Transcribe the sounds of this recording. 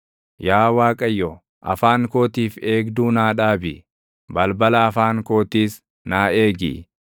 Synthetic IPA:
jaːwaːkʼɐjːɔ | ʔɐ̰faːŋko̞ːt̪iːfe̞ːɡd̪uːnaːᶑaːbɪ | bɐlbɐlɐːfaːŋkoːt̪iːs | naːe̞ːɡɪ̰

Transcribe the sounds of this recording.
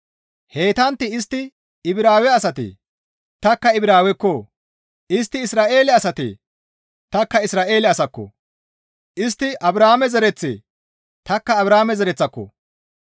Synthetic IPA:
he̞ːt̪ɐnt̪ːɪɪst̪ːɪ | ɪbɪɾaːwɛɐsɐt̪ḛ | t̪ɐkːɐɪbɪɾaːwɛkːɔ | ɪs̬t̪ːɪɪsɾaːʔe̞ːlɛɐsɐt̪ḛ | t̪ɐkːɐɪsɾaːʔe̞ːlɛɐsɐkːɔ̰ | ʔɪst̪ːɪʔɐbɾaːmɛzɛɾɛt͡sːḛː | t̪ɐkːɐːbɾaːmɛzɛɾɛt͡sːɐkːɔ̰

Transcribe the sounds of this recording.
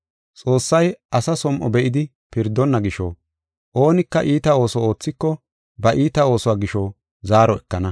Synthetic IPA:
t͡sʼo̞ːsːɐjʔɐsɐsɔmʔɔbɛʔɪd̪ɪ | pɪɾd̪ːɔnːɐɡɪʃɔ | ʔoːnɪkːɐʔiːt̪ɐo̞ːsɔo̞ːt͡sːɪkːɔ | bɐʔiːt̪ɐo̞ːsɔwaːɡɪʃɔ | zaːɾɔɛkːɐnɐ

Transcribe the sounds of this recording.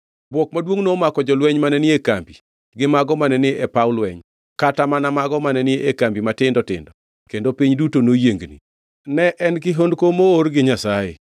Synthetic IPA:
bwɔkmadwoŋnomakɔd͡ʒɔlwɛɲmanɛnɪekambi | ɡɪmaɡɔmanɛnɪʔɛpaʊlwɛɲ | katamanamaɡɔmanɛnɪekambimatɪndɔtɪ̰ndɔ | kendopiɲdutonojeŋɡnḭ | nɛʔɛnkɪɦondkomoɾɡɪɲasajḛ

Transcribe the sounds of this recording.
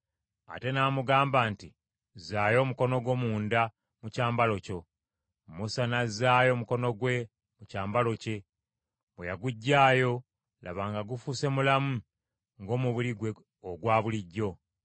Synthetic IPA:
a̰te̞naːmuɡaːmbaːnti | zaːjo̞ːmuko̞no̞ɡwo̞ːmuːnda | mucaːmbalo̞co̞ | musanazaːjo̞ːmuko̞no̞ɡwe̞ | mucaːmbalo̞ce̞ | βwejaɡuɟːaːjo̞ | lʔa̰βaːŋɡaɡufuse̞mulamu | ŋɡo̞ːmuβuliɡwe̞ | oɡwaːβuliɟːo̞

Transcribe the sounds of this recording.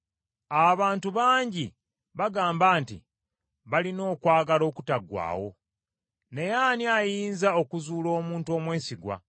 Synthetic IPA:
aβaːntuβaːɲɟi | βaɡaːmbaːntḭ | βalino̞ːkwaːɡalo̞ːkutaɡwa̰ːwo̞̰ | ne̞jaːniajiːnzao̞kuzuːlo̞ːmuːnto̞ːmwe̞ːsiɡwa̰

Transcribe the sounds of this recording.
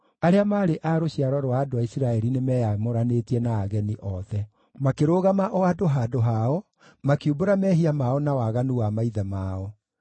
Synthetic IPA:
aɾeamaːɾeʔaɾoɕiaɾɔɾowaːdoaisiɾaɛɾinemɛjamoɾanetiɛnaːɣɛniʔɔðɛ | makeɾoːɣamaʔɔadoɦaːdoɦaɔ | makiuboɾamɛɦiamaɔnawaɣanuwamaiðamaːɔ

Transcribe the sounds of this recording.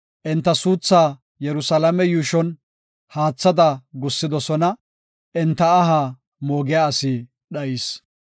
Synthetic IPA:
ʔɪnt̪ːɐsuːt͡sːaː | jɛɾʊsɐlɐmɛjuːʃɔn | haːt͡sːɐd̪ɐɡʊsːɪd̪ɔsɔnɐ | ʔɛnt̪ːɐːɦaː | moːɡɪjaːɐsɪ | ɗɐiːs

